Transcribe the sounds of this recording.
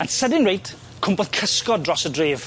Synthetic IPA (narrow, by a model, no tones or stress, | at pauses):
atsɛdɪnɹejt | kʰʊmbɔðkʰəskɔdrɔsədreːv̥